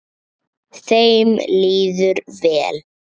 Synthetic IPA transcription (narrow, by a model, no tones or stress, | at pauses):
θejmliːðʏɾvɛːl